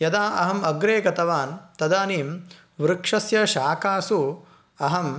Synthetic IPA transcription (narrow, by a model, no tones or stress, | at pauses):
jɐd̪aːʔɐɦɐmɐɡɾeːɡɐt̪ɐʋaːnt̪ɐd̪aːniːm | ʋɾɨkʂɐsjɐʃaːkaːsu | ɐɦɐm